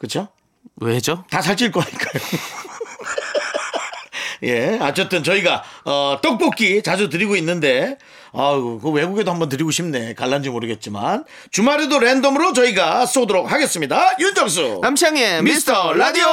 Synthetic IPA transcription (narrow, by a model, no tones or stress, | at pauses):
kɯt͡ɕʰo | wed͡ʑotasʰaɭt͡ɕ͈iɭk͈ʌɲik͈ajo | je̞at͡ɕ͈ʰʌt͈ɯnt͡ɕʌiɡaʌt͈ʌk̚p͈ok͈ʰit͡ɕad͡ʑut̬ɯɾiɡoinːɯnde̞ | ʌkɯwe̞ɡuɡedohambʌnt̬ɯɾiɡoɕʰimne̞kaɭːand͡ʑimoɾɯɡe̞t̚t͡ɕ͈ima̰n | t͡ɕumaɾedoɾendʌmɯɾot͡ɕʌiɡas͈odoɾok̚haɡe̞s͈ɯmɲidajutʰʌp̚s̬͈ṵnamɕʰaŋemistʰʌɾadio